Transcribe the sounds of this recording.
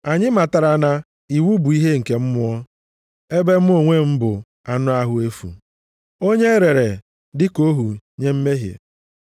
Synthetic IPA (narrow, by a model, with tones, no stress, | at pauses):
a˨ɲɪ˦ma˨ta˨ɾa˨na˦ | i˨wu˦bu˨i˦ɦe˦ŋ̩˨ke˨m̩˦mʊ˦ɔ˦ | e˦be˦m̩˦o˦˨ŋʷe˦m̩˦bʊ˨ | a˨nʊ˦a˦ɦʊ˦e˦fṵ˨ | o˦ɲe˦ɾe˨ɾe˨ | dɪ˦ko˦ɦu˨ɲe˦m̩˦me˦ɦjḛ˨